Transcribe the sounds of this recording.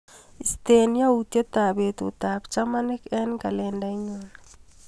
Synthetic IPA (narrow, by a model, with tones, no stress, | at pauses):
i˨ste˨n˦ja˦u˨te˦ta˨βe˨tṵ˨ta˨pt͡ʃa˦ma˦ne˦kɛ˦nka˨lɛnda˦i˦ɲona